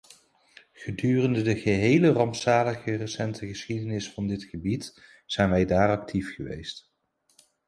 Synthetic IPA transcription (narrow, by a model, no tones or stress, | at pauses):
χədyːrəndədəχəɦejlərɑmpsaːləɣərəsɛntəχəsχidənɪsfɑndɪtχəbit | z̥ɛjnʋɛjdaːrɑk̚tʰifχəʋḛjst